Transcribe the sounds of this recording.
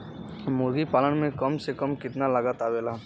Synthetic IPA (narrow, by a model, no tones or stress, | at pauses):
mʊɾɡipaːlənmẽkɐmsekəmkɪt̪nalɐɡaːt̪aʋeːlaː